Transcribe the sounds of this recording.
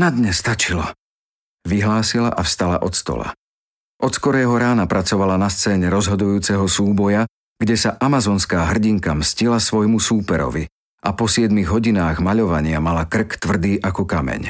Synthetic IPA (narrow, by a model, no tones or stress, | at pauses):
nad̪ɲɛst̪at͡ʃilɔ | ʋiɦlaːsila̰ʔafst̪ala̰ʔɔt̪st̪ɔ̰la̰ | ʔɔt̪skɔɾɛːɦɔɾaːnapɾʔat͡sɔʋalanast͡sɛːɲɛɾɔzɦɔd̪ujuːt͡sɛɦɔsuːbɔja | ɡɟɛsaʔamazɔːnskaːɦr̩ɟiŋkamscilasʋɔjmusuːpɛɾɔ̰ʋi | ʔapɔsɪɛd̪miɣɦɔɟinaːɣmaʎɔʋaɲɪamalakr̩kt̪ʋr̩d̪iːʔakɔkamɛ̰ɲ